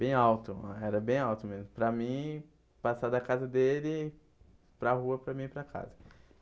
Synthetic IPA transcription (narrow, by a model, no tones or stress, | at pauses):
b̥ẽj̃awt̪ʊɛɾɐbẽj̃awt̪ʊmezmʊpɾɐmĩ | pasad̪ɐkazɐd̪elɪ | pɾɐhuɐpɾɐmĩpɾɐkʰa̰zɐ